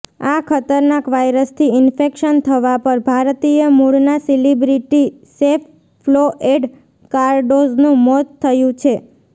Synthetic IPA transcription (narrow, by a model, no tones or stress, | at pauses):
akʰət̪əɾnakʋajɾəst̪ʰiɪnfekʃənt̪ʰəʋapəɾbʱaɾt̪ijəmuɽnasilibɾiʈi | sef | floʔeɖ | kaɾɖoznũmɔt̪ʰːəjũt͡ʃʰe